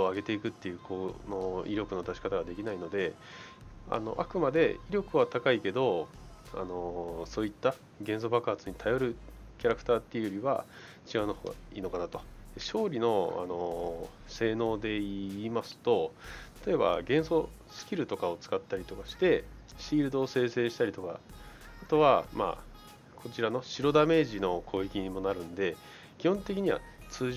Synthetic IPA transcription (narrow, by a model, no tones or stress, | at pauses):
oaɡe̞t̪e̞ikɯ̟t̪ːe̞jɯ̟ːkono̞iɾʲo̞kɯ̟no̞d̪aɕi̥kat̪aɡad̪e̞kʲinaino̞d̪e̞ | a̰no̞ʔa̰kɯ̟mad̪e̞iɾʲo̞kɯ̟βat̪akaike̞d̪o̞a̰no̞so̞ːit̪ːa | ɡẽ̞ɰ̃s̬o̞bakɯɦat͡sɨɲ̟it̪ʰajo̞ɾɯ̟ | kʲaɾakɯ̟t̪aːt̪ːejiɯ̟jo̞ɾʲiβa̰ | t͡ɕiɡaɯ̟nohoːɡa̰iːno̞kanat̪o̞̥d̪eɕo̞ːɾʲino̞a̰no̞ | se̞ːno̞ːd̪e̞iːmasɨ̥t̪o̞t̪ḁt̪o̞e̞ba̰ɡẽ̞ɰ̃so̞ | sɨ̥kʲiɾɯ̟t̪o̞kao̞t͡sɨ̥kat̪ːaɾʲit̪o̞kaɕi̥t̪e̞ɕiːɾɯ̟d̪o̞ːse̞ːse̞ːɕi̥t̪aɾʲit̪o̞ka̰at̪o̞βama̰ | kʰo̞t͡ɕiɾano̞ɕiɾo̞d̪ame̞ːʑino̞kʰo̞ːikʲiɲ̟imo̞naɾɯ̟̃nd̪e̞ | kʲihõnt̪e̞kʲiɲ̟iβa̰t͡sɨː